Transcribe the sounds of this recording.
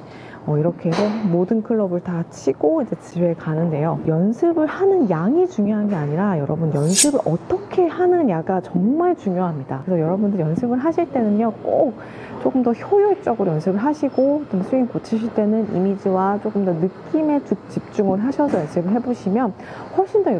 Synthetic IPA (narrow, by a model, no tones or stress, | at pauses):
ʌiɾʌkʰe̞sʰomodɯnkʰɯɭːʌbɯɭtat͡ɕʰiɡ̥oid͡ʑe̞t͡ɕiwe̞kanɯnde̞jojʌnsʰɯbɯɭhanɯnjaŋit͡ɕuŋjoɦanɡe̞aɲiɾajʌ̰ɾʌbunjʌnsʰɯbɯɾʔʌt͈ʌkʰe̞hanɯnjaɡat͡ɕʌŋmaɭt͡ɕuŋjoɦamɲida̰kɾesʰʌjʌɾʌbundɯɭjʌnsʰɯbɯɭɦaɕʰiɭt͈e̞nɯɲʌk͈ok̚ | t͡ɕ͈ok͈ɯmdʌçjojot͡ɕ͈ʌɡɯɾojʌnsʰɯbɯɭɦaɕʰiɡot͡ɕ͈omsʰuinkot͡ɕʰiɕʰiɭt͈e̞nɯnḭmid͡ʑiwat͡ɕ͈ok͈ɯmdʌnɯkk͈ime̞t͡ɕɯk̚t͡ɕ͈ip̚t͡ɕ͈uŋɯɭɦaɕʰʌsʰʌjʌnsʰɯbɯɭɦe̞boɕʰimjʌn | ɸwʌɭɕ͈ʰindo